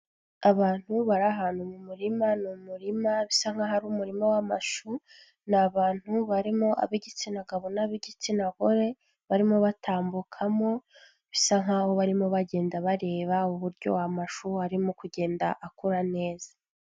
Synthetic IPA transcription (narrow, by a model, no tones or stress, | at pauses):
aβaːn̥huβaɾaɦanumumuɾimanumuɾimaβisaŋ̥aɦaɾumuɾimawama̰ʃu | naβaːn̥huβaɾimo̞ʔa̰βiɟit͡sinaɡaβonaβiɟit͡sinaɡoɾe̞ | βaɾimo̞βatʰaːmbukʰamo̞ | βisaŋaːho̞βaɾimo̞βaɟe̞ːndaβaɾe̞ːβauβuɾɟo̞̰wamaʃuhaɾimo̞kuɟe̞ːndaʔakuɾane̞ːza